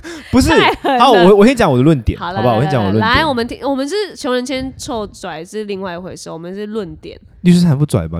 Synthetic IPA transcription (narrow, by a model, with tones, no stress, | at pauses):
pu˧˥ʂ̬ɻ̩˥˩ɑ˧˦wɔ˨wɔ˨˩ɕɛ˥nt͡ɕjɑ˧˦ŋwɔ˨˩d̪ə˦lwə˥˩nt̪jɛ̰˨˦ɑ˨d̪ba˧wɔ˨˩jɛ˥nt͡ɕɑ˧˦ŋwɔ˨˩ə˦wə̰˥n̰˨˥wɔ˨˩mə˧˦nt̪ʰi˥ŋwɔ˨˩mə˦nʂ̬ɻ̩˥˩t͡ɕʰjo˧˥ʊɻə˧˦nɕjɛ˥nʈ͡ʂʰo˥˩ʊt͡swa˨˩ɪʂɻ̩˥˧li˥˧ŋwa˥˩ɪ˧xwe˧˩ɪʂʊwɔ˨˩mə̃˦nʂɻ̩˥˧lwə˥˩nt̪jɛ̰˨˩˦n | i˥˩˥a˧˥np̬u˥˩t͡swa̰˨˩ɪbɐ̰˨˦